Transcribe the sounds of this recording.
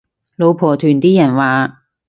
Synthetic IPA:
lo˨˧wpʰɔː˨˩t̪ʰyː˨˩nt̪iː˥jɐ˨˩nwaː˨

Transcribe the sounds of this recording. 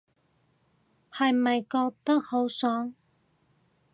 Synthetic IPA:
hɐ˨jmɐ˨jkɔː˧k̚t̪ɐ˥k̚ho˨˥wsɔː˨˥ŋ

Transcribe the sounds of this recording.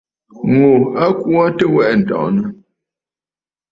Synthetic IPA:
ŋo˨a˦ku˦a˦tə˦wɛ˦ʔn̩˨tɔ̰̃˨ʔnə˨

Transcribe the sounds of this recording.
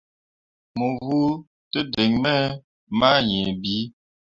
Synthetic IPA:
mo˨vu˦ | tə˦de˨ŋmɛ˦ | ma˦ɲɛ̃˨bi˨˦

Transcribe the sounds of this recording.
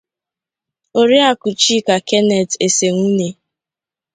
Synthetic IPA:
o˦ɾi˦a˨kʊ˨t͡ʃi˦ka˨ke˦nɛ˨te˨se˨ŋʷu˦ne˦

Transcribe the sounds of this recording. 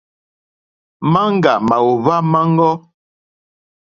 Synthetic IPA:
ma˦ŋ˦ɡa˨ma˨wo˨βa˦ma˦ŋ˦ɡɔ˦

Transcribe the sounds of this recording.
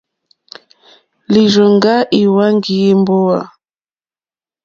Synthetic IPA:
li˨ɾə˨ŋ˨ɡa˦ʔi˨wa˦ŋ˦ɡi˨˦i˦m˦bo˦wa˨

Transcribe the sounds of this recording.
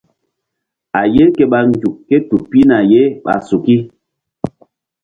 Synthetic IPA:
a˨je˦ke˦ɓa˨ŋ˦ɡu˨kːe˦tu˨pi˦na˨je˦ɓa̰˨su˨ki˦

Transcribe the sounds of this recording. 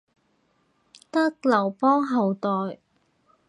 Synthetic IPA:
t̪ɐ˥k̚lɐ˨˩wpɔː˥ŋɦɐ˨wt̪ɔː˨˩j

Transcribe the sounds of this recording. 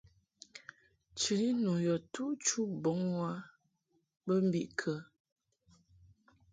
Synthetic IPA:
t͡ʃi˨ɾi˦nu˨jɔ˨tu˦ʔt͡ʃu˦bɔ˨˦ŋwa˦ | bə˦m̩˦bi˦˨ʔkʰə˨

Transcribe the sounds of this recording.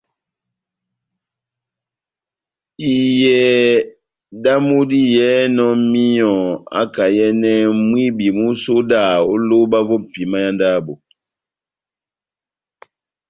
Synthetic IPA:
i˨jɛ˨ | da˦mu˦di˦jɛ˨˦nɔ˦mi˦jɔ̃˨a̰˦ka˨jɛ˦nɛ˦mwi˦bi˨mu˦so˦da˦˨o˦lo˦ba˦vo˦pi˨ma˦ja˦nda˦˨bo˨

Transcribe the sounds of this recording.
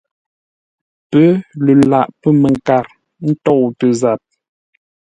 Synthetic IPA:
pə˦lə˨la˨ʔpə˦˨mə˨ŋ˨ka˨ɾ | n̩˦tɔ˦˨wtə˨za˨p̚

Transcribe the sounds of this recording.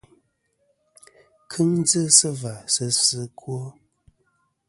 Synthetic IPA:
kʰɨ˦ŋd͡zə˦sə˦va˨sə˦sə˦kʰwo˦

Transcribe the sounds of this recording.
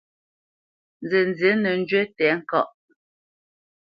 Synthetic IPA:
nze˨n˨ze˨˦nə˨n̩˦d͡ʒɥwe˦tɛː˨˦ŋ̩˦kɔ̰˦˨ʔ

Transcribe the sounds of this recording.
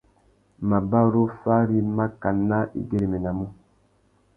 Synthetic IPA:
ma˨ba˦˨ɾo˦fa˦ɾi˦ma˦ka˨nːa˦ʔḭ˦ɡe˦ɾe˨me˨na˨mu˦

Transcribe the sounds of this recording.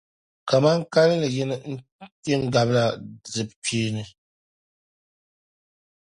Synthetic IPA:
ka˨ma˦ŋka˦lɨ˦lɨ˨jɛ˦nɨ˦n̩˦tɛ˦n˦da˨bla˨zɨ˨bpʰiː˦nɨ˨

